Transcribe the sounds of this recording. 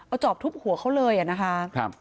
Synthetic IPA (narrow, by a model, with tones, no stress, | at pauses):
ʔa˧˩wt͡ɕɔː˨˩p̚t̪ʰu˦˥p̚hu˨˩˦xʰa˦˥wlɤː˧jʔa˨˩na˦˥kʰa˦˥kʰa˦˧p